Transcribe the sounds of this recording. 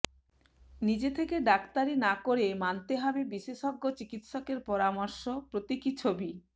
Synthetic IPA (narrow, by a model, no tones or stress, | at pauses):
nid͡ʑet̪ʰekeɖakt̪aɾinakoɾemant̪eɦɔbebiʃeʃɔɡːot͡ɕikit̪ʃɔkeɾpɔɾamɔɾʃopɾot̪ikit͡ɕʰobi